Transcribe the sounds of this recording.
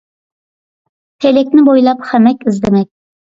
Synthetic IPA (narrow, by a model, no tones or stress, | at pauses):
t̪ʰelʲek̚ʲnɪbojlˠapχamækʲɪzd̪emæk̚ʲ